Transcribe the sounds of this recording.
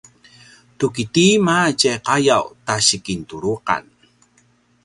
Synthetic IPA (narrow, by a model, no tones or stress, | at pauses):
tukitimacajqajawtaɕikintuɾuqa̰n